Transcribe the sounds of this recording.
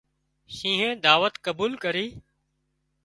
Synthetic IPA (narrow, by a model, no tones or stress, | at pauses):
ʃĩːɦẽːd̪aːʋət̪kəbuːlkəɾiː